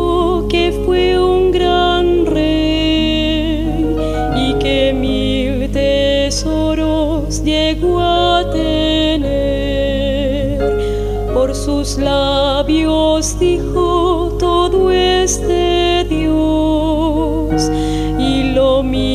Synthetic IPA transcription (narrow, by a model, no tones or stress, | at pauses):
o | kefweuŋɡɾanre | j | ikemi | lt̪e | s | oɾo | sʎeɣoat̪ene | ɾ | poɾsuslaβjosðixo | t̪oðoest̪eðjoo | s | ilomi